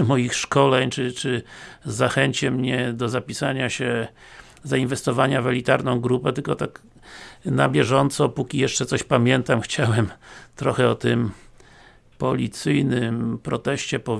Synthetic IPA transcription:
mɔjixʂkɔlɛɲt͡ʂɨt͡ʂɘzaxɛɲt͡ɕɛmɲɛd̪ɔzapʲisaɲaɕɛ | zainvɛst̪ɔvaɲavɛlʲit̪aɾnɔ̃w̃ɡɾupɛt̪ɘlkɔt̪ak | nabʲjɛʐɔnt̪sɔpukʲijɛʂt͡ʂɛt̪sɔɕpamʲjɛnt̪amxt͡ɕawɛmt̪ɾɔxɛɔt̪ɘm | pɔlʲit̪sɘjnɘmpɾɔt̪ɛɕt͡ɕɛpɔ

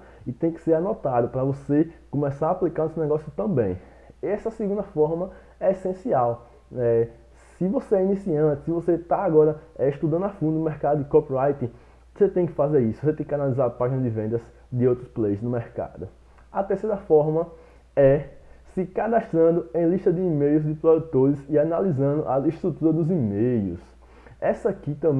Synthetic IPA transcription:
ɪt̪ẽj̃kɪ̥seɾanɔt̪ad̪ʊpɾɐvosekõmɛsaɾaːplikaɾnesɪnɛɡɔsjʊt̪ɐ̃bḛ̃j̃ | ɛsɐsiɡũnd̪ɐfɔɾmɐ | ɛesẽsiaw | ɛ | sɪvoseɛinisiɐ̃nt̪ɪsɪvoset̪aaɡɔɾɐɛiʃt̪ud̪ɐ̃nd̪ʊafũd̪ʊnʊmɛɾkad̪ʊd̪ɪkopɾajt̪ĩ | o̥set̪ẽj̃kɪ̥fazeɾisʊvoset̪ẽj̃kʲɪanalizaɾpaʒinɐd̪ɪvẽnd̪ɐz | d̪ɪowt̪ɾʊsplejznʊmɛɾka̰d̪ʊ | ɐt̪eɾseɾɐfɔɾmɐ | ɛsɪkad̪aʃt̪ɾɐ̃nd̪ʊẽj̃liʃt̪ɐd̪ɪːmejʊzd̪ɪpɾod̪ut̪oɾɪzɪanalizɐ̃nd̪ʊʔɐiʃt̪ɾut̪uɾɐd̪ʊzimejʊ̰s | ɛsɐakit̪ɐ̃b

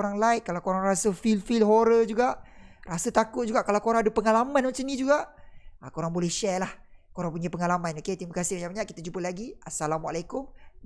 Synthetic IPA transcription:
ɾaŋlajʔ̚kalawkoɾaŋɾasəfilfilɦoɾəd͡ʒuɡaʔrasət̪akʊt̪̚d͡ʒuɡaʔkalawkoɾãŋadəpəŋalamãnmat͡ʃamndid͡ʒuɡaʔakoɾaŋbolɛhʃɛlahkoɾaŋpuɲapəŋalamãnoket̪ɾimakasɪhbaɲãʔbaɲaʔkit̪ad͡ʒupəlaɡiasalamwalakʊm

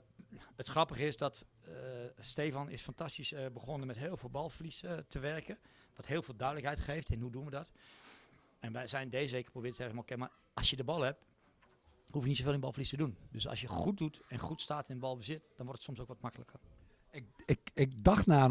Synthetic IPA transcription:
ətxrɑpəχəɪsdɔt | steːfɔnɪ̰sfantastisbəχonəmɛtɦɪːlˠvoːlˠbɔlˠflisətʰəʋɛrkəʋɔthɪːlˠveːlˠdœɥdələkhɛjtχeːftɛnhuduənʋədɔt | ɛnʋɛjzɛjndeːzəʋeːkəprobɪːətɛvəmɔkɛma | ɔsjədəbɔlˠhɛp̚ | hufjənitsofeːlˠɪnbɔ̰lˠflistədundøsɔ̰sjəχut̚dutɛnxutstaːtɪnənbɔlˠbəzɪtd̥ɔnʋɔrtətsɔmsoːkʋɔtmakələkʰər | ɪkɪkdɑxtnaː

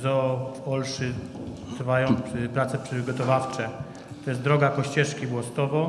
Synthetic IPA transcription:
zɔvɔlʂɘ | t̪ɾvajɔ̃w̃pɾat̪sɛpʂɘɡɔt̪ɔvaft͡ʂɛ | t̪ɔjɛst̪d̪ɾɔɡakɔɕt͡ɕɛʂkʲibwɔst̪ɔvɔ

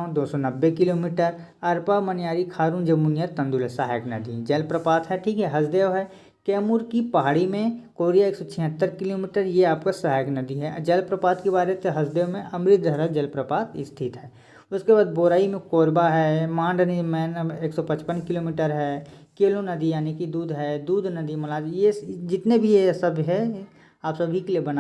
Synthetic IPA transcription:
d̪oːsɔnɐbːekɪloːmiːʈəɾɐɾpamənjaːɾikʰaːɾuːnd͡ʒɐmunjət̪ə̃nd̪ulɛsaːɦjəknɐ̰d̪id͡ʒɐlpɾəpaːt̪ɦɛʈʰiːkɦɛɦɐsd̪eːʋɦɛ | kɛːmuɾkipɐɦaːɽimẽkoːɾijaeːksɔt͡ʃʰɪ̃ɦət̪ːəɾkɪloːmiːʈəɾjeaːpkasaɦjəknəd̪iɦɛd͡ʒɐlpɾəpaːt̪kibaːɾet̪eɦɐsd̪eːʋmẽʔɐmɾɪt̪̚d̪ʱɐɾad͡ʒɐlpɾəpaːt̪ɪst̪ʰɪt̪ɦɛː | ʊskebaːd̪boːɾaːimẽkoːɾbaɦɛmãːɳɖnimɛːneːksɔpə̃t͡ʃpənkɪloːmiːʈəɾɦɛ | keːlõnəd̪ijaːnekid̪uːd̪ʱɦɛd̪uːd̪ʱnəd̪imɐlaːd͡ʒjed͡ʒɪt̪nebʱijesəbɦɛ | aːpsɐbʱikeliebəna

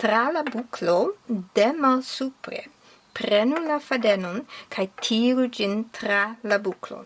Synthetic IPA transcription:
t̪ɾalabukʰlod̪emalsupɾḛ | pɾenulafad̪ɛnonkʰajt̪ʰiːɾud͡ʒint̪ɾalabuklo̰

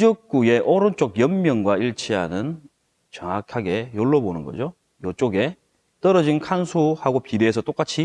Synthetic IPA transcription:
d͡ʑʌk̚k͈ue̞ʔʌɾont͡ɕ͈okjʌmmjʌŋɡwaiɭt͡ɕʰiɦa̰nɯn | t͡ɕʌŋakʰaɡe̞joɭːʌbonɯnɡʌ̰d͡ʑo | jot͡ɕ͈oɡe̞ | t͈ʌɾʌd͡ʑinkʰansʰuhaɡopideːs̬ʰʌt͈ok͈at͡ɕʰi

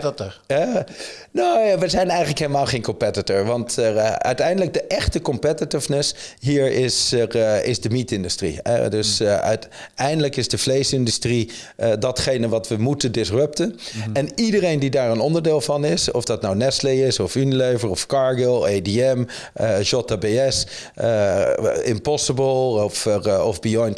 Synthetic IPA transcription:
t | noʋəzɛjnɛjχələkɦeləmaːlˠχejnkɔmpɛtətəɹʋɑntœ̰ɥtɛjndələɡ̚dəʔɛχtəkɔmpɛtɪtɪvnəsɦiːɹɪsɪ̰zdəmitɪndystrḭdɵsœ̰ɥtɛjndələkɪzdəflejsɪndystri | dɑtχejnəʋɑtʋəmutəndɪsrøp̚tənɛnidərejndidaːɹənɔndəɹdɪːlˠvɑnɪsɔ̰fdɑtnawnɛsleɪsɔfynileɥvəɹɔfkɑɹɡəlˠejdiɛm | ʒɔtabeɛs | ɪmpɔsəbəlˠɔfɔvbiɔjnt

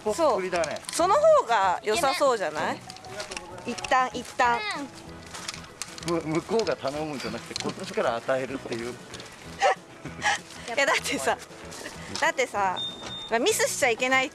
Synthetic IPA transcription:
oso̞ːɾʲid̪anḛso̞nohoːɡajo̞saso̞ːʑanai | it̪ːãɰ̃ʔit̪ːãɰ̃ | mɯmɯ̟ko̞ːɡat̪anomɯ̟ɲd͡ʑanakɯ̟̥t̪e̞kot̪ːoɕi̥kaɾaːt̪aeɾɯ̟t̪ːe̞jɯ̟ː | jad̪at̪ʰːe̞sa | d̪̥at̪ːe̞samamʲisɨɕi̥t͡ɕaike̞nai

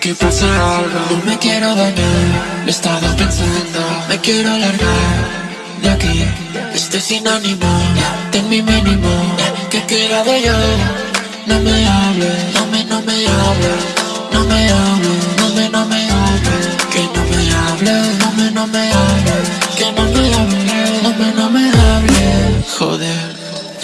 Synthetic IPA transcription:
kepusealɣomekjɛɾoðeʎalest̪aðapẽnsand̪omekjɛɾoalaɾɣaɾ | ʒake | est̪esinonimot̪eŋmiminimokekeɾaðeʎa | nõmeaβlenomenomeaβle | nomeaβlenomenomeaβlekenomeaβlenomenõmeaβlekenomeaβleomenomeaβlexo̰ðeɾ

